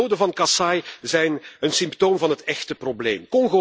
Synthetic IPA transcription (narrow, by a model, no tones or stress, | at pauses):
oːdəvɑnkɑsɑjzɛjnənsɪmptoːmvɑnɦətɛxtəproblḛːmkɔŋɣo